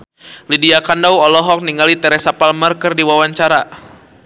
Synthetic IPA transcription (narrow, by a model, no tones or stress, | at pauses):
lidiakandawɔlɔɦɔk̚niŋalit̪ɛɾɛsapalmarkərdiwawaɲt͡ʃaɾa